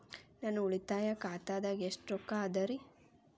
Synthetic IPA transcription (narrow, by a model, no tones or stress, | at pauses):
nanuuɭit̪aːjakaːt̪aːd̪aɡeʂʈɾɔkːaːd̪ɐɾi